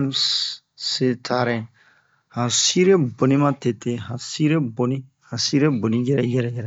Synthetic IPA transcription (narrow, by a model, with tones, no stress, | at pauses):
m | set̪ʰaɾɛ | hã˨si˦ɾe˦bo˨ni˦mã˦t̪e˨t̪e˨ɦã˨si˦ɾe˦boni˦ | hã˨si˦ɾe˦bo˨niɡe˦ɾɛɡɛ˦ɾɛjɛɾɛ